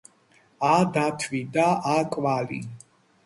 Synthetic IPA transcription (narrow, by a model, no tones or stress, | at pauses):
ad̪at̪ʰvid̪aakʼwalḭ